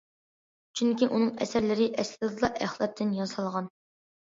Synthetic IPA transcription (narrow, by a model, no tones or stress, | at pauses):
t͡ʃʰyŋkʲiʔunɨŋɛ̰sæɾlɪɾɪʔɛslɨd̪ɨlˠɑʔæχlˠɑt̪ʰːɪnjɑnsɑlˠʁɑn